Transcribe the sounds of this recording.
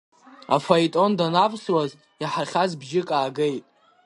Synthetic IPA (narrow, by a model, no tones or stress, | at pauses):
a̰fajtʼo̞ndanapʰʼsraztʼ | jaħarχʲazbʒɪkʼaːɡejtʼ